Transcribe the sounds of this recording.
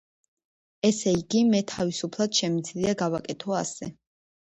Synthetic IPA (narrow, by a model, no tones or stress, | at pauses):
ɛsɛiɡimɛt̪ʰavisupʰlˠad̪̥ʃɛmid̪zliaɡavakʼɛt̪ʰɔa̰sɛ